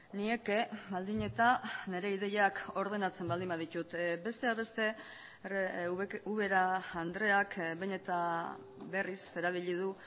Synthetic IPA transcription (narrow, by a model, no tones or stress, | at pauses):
nie̞ke̞βald̪iɲe̞t̪ane̞ɾe̞iðe̞jako̞ɾð̞e̞nat͡se̞mbald̪imbaðit̪ut̪be̞st̪e̞aβe̞st̪e̞ | uβe̞ɾaːnd̪ɾe̞akbe̞ne̞t̪a | βe̞rise̞ɾaβ̞iʎið̞u